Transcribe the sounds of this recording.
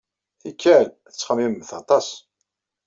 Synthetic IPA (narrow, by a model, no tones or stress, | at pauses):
θikːæl | ət͡sːχəmːimːəθɑt̪ˤɑs